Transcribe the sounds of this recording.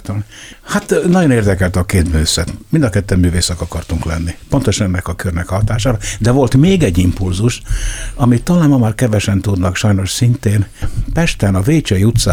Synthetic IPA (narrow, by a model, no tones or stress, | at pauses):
t̪omhat̪nɒɟo̞neːrd̪ɛkɛlt̪ɒkeːt̪møːsɛt̪mind̪ɒkɛt̪ːɛmːyːveːsɛkɒkɒrt̪uŋklɛ̰nːipo̞nt̪oʃnɛnːɛkɒkørnɛkɒhɒt̪aːʃaːɾɒd̪ɛvo̞lt̪meːɡɛɟːimpulzuʃɒmit̪ːɒlaːnmɒmaːrkɛvɛʃɛnt̪ud̪nɒkʃɒjno̞ʃsint̪eːnpɛʃt̪ɛnɒveːt͡ʃɛjut̪sa